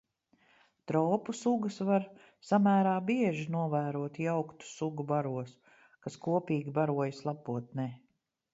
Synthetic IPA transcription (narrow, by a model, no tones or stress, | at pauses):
t̪ɾɔːpusuɡəsvaɾ | samæːɾaːbiɛʒinuɔvæːɾuɔt̪jawkt̪u̥suɡubaɾuɔs | kaskuɔpiːɡʲibaɾuɔjslˠapuɔt̪̚nɛː